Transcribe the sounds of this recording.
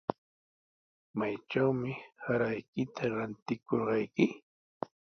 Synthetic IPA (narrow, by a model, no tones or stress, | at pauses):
majt͡ʃawmɪhaɾajkɪt̪ʰaɾant̪ɪkoɾɢɑjkɪ